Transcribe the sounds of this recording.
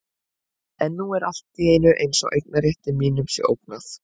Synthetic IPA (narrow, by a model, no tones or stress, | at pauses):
ɛnːuːɛɾal̥t̪iejnʏʔejnsɔ̰ɣʔejk̚naɾjɛht̪ɪmiːnʏmsɛ̰ʔo̰wknaθ